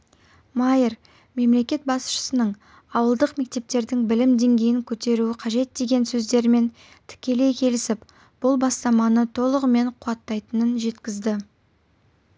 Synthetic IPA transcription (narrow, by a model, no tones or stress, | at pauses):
mɑjəɾ | me̞mle̞kʲe̞t̪̚bɑsʃə̥sənəɴ | ɑwəlˠd̪əqme̞k̚t̪e̞p̚t̪e̞ɾd̪ɪŋbɪlɪmd̪e̞ŋɡʲe̞jɪŋkʲʰɵt̪e̞ɾuɪqʰɑʒe̞t̪̚d̪e̞ɡʲe̞nsɵzd̪e̞ɾme̞n | t̪ʰɪ̥kʲe̞le̞jkʲʰe̞lɪsɪp | b̥ʊlˠbɑst̪ɑmɑnət̪ʰo̞lˠəʁəme̞ɴqʰuɑt̪ːɑjt̪ənənʒe̞t̪kʲɪzd̪ɪ